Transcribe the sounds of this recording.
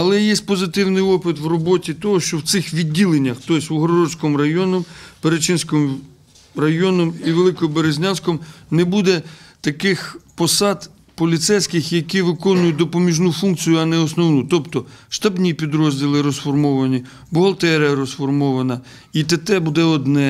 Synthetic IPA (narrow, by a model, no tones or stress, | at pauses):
ɐlˠɛjɛsʲt̚ʲpɔzɪt̪ɪwnɪjɔpɪt̪ʋrɔbɔtʲit̪ɔɦɔʃt͡ʃɔwt̪sɪxʋʲidʲːilˠenʲːɐxt̪ɔjsʲʊɦɾɔɾɔsʲkɔmrɐjɔnɔmpeɾet͡ʃinsʲkɔm | rɐjɔnɔmiʋelˠɪkɔbeɾezʲnʲansʲkɔmnebud̪ɛt̪ɐkɪxpɔsɑd̪ | pɔlʲit̪sɛjsʲkɪxjɐkiʋɪkɔnʊjʊt̚ʲd̪ɔpɔmʲiʒnufunk̚t͡sʲijʊɐnɛɔsnɔwnut̪ɔpt̪ɔʃt̪ɐbnʲipʲid̪ɾɔzʲdʲilˠɪɾɔsfɔrmɔʋɐnʲi | bʊɦɐlˠt̪ɛɾjɐɾɔsfɔrmɔʋɐnɐ | it̪et̪ɛbud̪ɛɔd̪nɛ